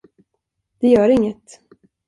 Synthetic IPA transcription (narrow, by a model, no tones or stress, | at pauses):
d̪̥ɛjœːɾɪŋːət̪